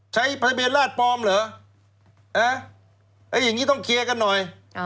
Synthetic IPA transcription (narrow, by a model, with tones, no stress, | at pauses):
t͡ɕʰa˦˥jpʰa˧beː˧nlaː˥˩t̪̚pɔː˧mlɤː˨˦ | ʔaː˧˩ | ʔaː˧˩ja˨˩ŋːiː˦˥t̪ɔ˥˩ŋkʰi˧ə˧ka˧nːɔ˨˩j